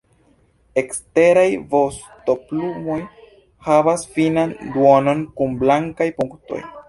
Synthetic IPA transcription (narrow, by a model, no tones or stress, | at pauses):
e̞kste̞ɾajvo̞s | to̞plumo̞j | havasfinanduo̞no̞nkumblaŋkajpuŋkto̞̰j